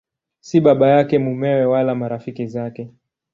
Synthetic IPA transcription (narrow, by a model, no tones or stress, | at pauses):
siɓaɓajakɛmumɛwɛwalamaɾafikizakɛ